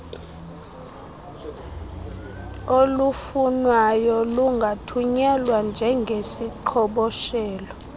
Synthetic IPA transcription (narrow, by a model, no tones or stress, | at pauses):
olufunwajɔluŋɡʱatʰuɲɛlwand͡ʒʱɛŋɡʱesiǃʰɔɓɔʃɛːlɔ